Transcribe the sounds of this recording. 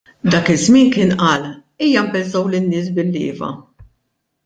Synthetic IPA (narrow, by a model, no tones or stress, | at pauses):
d̪ɐːkɪzmɪːnkɪːnʔɐːl | iːjɐmpɛlzɐwlɪnːɪːs̬bɪlːɪ̰ːvɐ̰